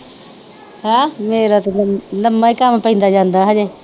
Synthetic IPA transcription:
hãːmeːɾat̪onnəmaikampəɦĩːnd̪aːd͡ʒãːnd̪aːɦad͡ʒeː

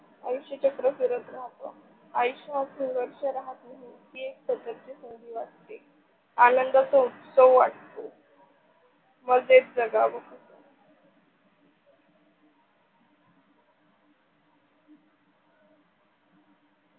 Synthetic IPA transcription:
ajuɕet͡ɕəkɾəfiɾət̪ɾaɦt̪o̰ | ajiɕasunʋəɾʂəɾaɦat̪naɦikiːeksəd̪əɾd͡ʑisəŋd̪ʱiːʋaʈ̚t̪e | anənd̪əsəsoʋaʈt̪o | məɡd̪et̪̚d͡zəɡaʋəkʰət̪o

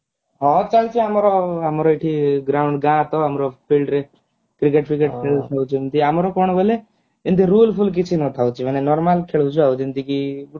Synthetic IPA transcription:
ɦɔt͡ʃalt͡ʃʰiəmɾɔɦəmɾɔiʈʰiɡɾaʊɳɖɡãt̪ɔɦəmɾɔpʰilɖɾe | kɾik̬eʈpʰikeʈkʰeɭut̪ʰawt͡ʃʰint̪iamɾɔkoɳ̃bʱəle | int̪iɾuːlpʰulk̬it͡ʃʰinɔ̃t̪ʰawt͡ʃʰimənenɔɾmalkʰeɭut͡ʃʰuɦaut͡ʃint̪iki

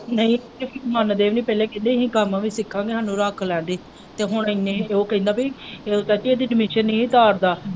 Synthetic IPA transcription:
nəĩːkepɪɾmənd̪eːʋnĩːpɛːleːkɪd̪eːɦĩːkamãːʋiːsɪkʰːãːŋɡeːɦaːnũːɾaːkʰlɛ̃ːnd̪eː | t̪eːɦʊɳɪneːoːkɦĩːd̪aːbit̪ɛːt̪iːeːd̪iːɖɪmɪʃəniːiːt̪aːɾd̪aː

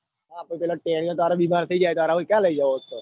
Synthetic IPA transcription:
ɦãpoip̬ɛːloʈɛɽ̃ijõt̪aɾobimant̪ʰəid͡ʒajt̪aːɾaɦoikjãləid͡ʒəʋoɦət̪o

